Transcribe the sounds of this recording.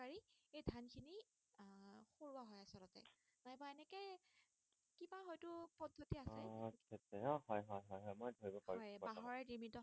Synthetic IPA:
aɹiejdʱankʰini | xoɹuaɦɔjasɔlɔtɛ̰ | najbɔaɛnɛkɛ | kibaɦɔjtʊpɔdʱːotiasɛkʰɛtɛɔhɔjɦɔjɦɔjɦɔjmojdʱoɹibɔpaɹiɔjbaɦɔɹɛdimitɔ

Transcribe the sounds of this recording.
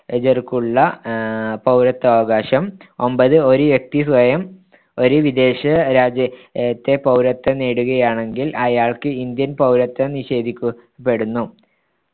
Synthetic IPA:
ed͡ʑɐrkuɭːɐ | pɐwɾɐt̪ːɐʋɐɣaːɕɐmo̞mbɐðɨo̞ɾuʋjek̚t̪isʋɐjɐm | o̞ɾuʋid̪e̞ːɕɐɾaːd͡ʑɐt̪ːe̞pɐwɾɐt̪ːɐneːɽuɣɐjaːɳe̞ŋɡilʔɐjaːɭkɨind̪jɐnpɐwɾɐt̪ːɐniɕe̞ːd̪ʱikʲːu | pːe̞ɽunːu

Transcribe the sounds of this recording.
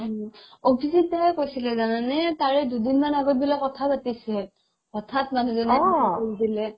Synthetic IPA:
obʰʱizit̚taɛkojsilɛzananɛtaɹɛdudinmanaɡɔbilakːɔtʰapatisɛ | ɔtʰatmanuzɔnɛkoisilɛ

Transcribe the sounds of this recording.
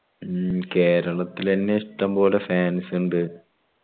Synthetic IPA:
ke̞ːɾɐɭɐt̪ːilenːeiʂʈːɐmpo̞ːlefaːnsuɳɖɨ

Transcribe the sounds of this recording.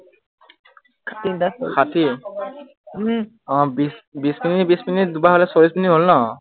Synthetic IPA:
kʰtiakʰatʰi | ɔ̃bisbisminitbisminit̚dubaɦolɛsobisminitɦolnɔ

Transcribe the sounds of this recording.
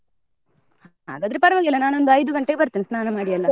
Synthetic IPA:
haɦa̰ːɡaːd̪ɾepɐɾɐʋaːɡiɛlːɐnaːnuo̞nd̪uɐjd̪uɡɐɳʈeɡebɐɾt̪iːnisnaːnɐmaːɽijɐlːɐ

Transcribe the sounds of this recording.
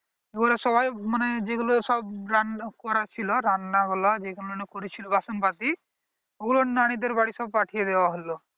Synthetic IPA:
eɡulasɔbajmaned͡ʒeɡulosɔbɾankɔɾat͡ʃʰilɔɾanːaɡɔlad͡ʒeɡulonekoɾit͡ʃʰilɔbasɔmpat̪i | eɡulonaɽ̃id̪eɾbaɽisɔb̚paʈʰijed̪ebaɦolo

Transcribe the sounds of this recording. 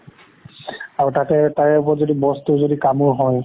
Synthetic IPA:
aɹutatɛtajɛʊp̬ɔzodibɔstuzodikamʊɹɦɔj

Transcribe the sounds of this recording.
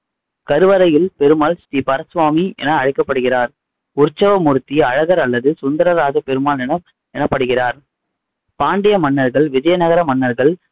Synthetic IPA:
kɐɾɯʋɐɾɐjɪlpɛɾɯmaːlsʈiːpɐɾɐsʋaːmiʔɛ̰nɐːɻɪkːɐpːɐɽɯɣɪraːɾ | ʊɾt͡ʃːɐʋɐmʊɾɯt̪ːiɐɻɐɣɐɾɐlːɐðɯsʊnd̪ɐɾɐɾaːd͡ʒɐpɛɾɯmaːlɛnɐ | ɛnɐpːɐɽɯɣɪraːɾ | paːɳɖɪjɐmɐɳːɐɾɣɐɭʋɪd͡ʒɐjɐnɐɣɐɾɐmɐɳːɐɾɣɐɭ

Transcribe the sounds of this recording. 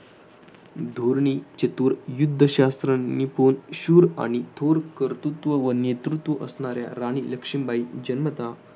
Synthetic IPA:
d̪ʱoɾɳit͡ɕət̪uːɾjud̪ʱːəɕast̪ɾənːiponɕuːɾa̰ɽ̃it̪ʰoɾkəɾt̪ut̪ʋəʋənet̪ɾut̪ʋəʔəsɳaɾja̰ɾaɽ̃iləkʂimbʱaid͡ʑənmət̪a

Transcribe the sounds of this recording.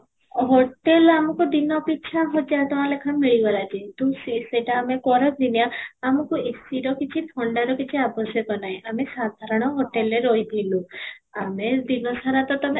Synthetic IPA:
ɦoʈelamukud̪inɔpit͡ʃʰaɦod͡ʒat̪ɔmalekʰanmiɭiɡɔlad͡ʒit̪usiseʈaːmekɔɾɔbʱinijaamukuesiɾɔkit͡ʃʰip̪ʰɔɳɖaɾɔkit͡ʃʰiabɔsjɔkɔnajʔamesad̪ʱaɾɔɽ̃ɔɦoʈeleɾojb̪ʱiluamed̪inɔsaɾat̪ɔt̪ɔme

